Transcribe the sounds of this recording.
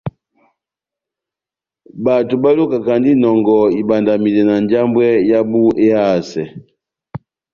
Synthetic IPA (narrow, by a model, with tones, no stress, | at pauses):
ba˨tu˨ba˦lo˦ka˨ka˨ndi˦nɔ˨ŋɡɔ˨i˨ba˨nda˨mi˨lɛ˨na˨nd͡ʒa˦mbwɛ˦ja˦bu˦ʔe˦a˦˨sɛ˨